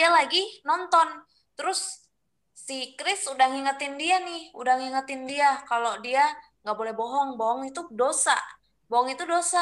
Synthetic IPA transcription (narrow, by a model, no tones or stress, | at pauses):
ialaɡinɔnt̪ɔn | t̪əɾʊsː | ikɾɪsudaŋiŋat̪ɪndianɪhudaŋiŋat̪ɪndiakalodia | ŋɡaʔbolɛhbɔɦɔŋbɔɦɔŋit̪udosa̰ | bɔɔŋit̪udosa